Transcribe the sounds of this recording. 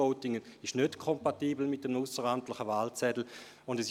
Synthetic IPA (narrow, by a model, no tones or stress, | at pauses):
oʊtɪŋəɪʃnøtkʰɔmpatiːbl̩mɪt̚ːəmusəʁaːntlɪχəvaːlt͡sɛdl̩ | ʊndɛs